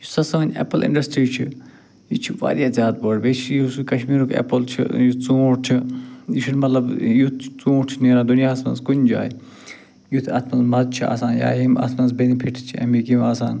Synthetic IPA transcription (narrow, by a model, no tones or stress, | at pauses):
jusɐsɐnʲḛpəlɪ̰̃ɳɖɐsʈɾiːt͡ʃʰi | jit͡ʃʰiʋa̰ːɾjaːzʲjaːd̪̚bəɽbet͡ʃʰjuskɐʃmiːɾukʰḛpɐlt͡ʃʰḭjut͡suːɾt͡ʃʰijiʃʰinmɐt̪lɐbjut̪t͡sũːɾt͡ʃʰineːɾad̪unjaːsmɐ̰nskunʲd͡ʒa̰ːj | jut̪ʰa̰ːt̪mɐnzmɐzt͡ʃʰia̰ːsaːnja̰ːɦima̰smɐnzbenipʰiʈʰt͡ʃʰiɐ̰mikimaːsa̰ːn